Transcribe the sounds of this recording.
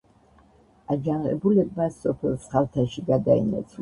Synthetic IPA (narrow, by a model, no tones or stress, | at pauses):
ad͡ʒanʁɛ̰bulɛbmasɔpʰɛlˠsχalt̪ʰaʃiɡad̪aḭnɛ̰t̪sʰ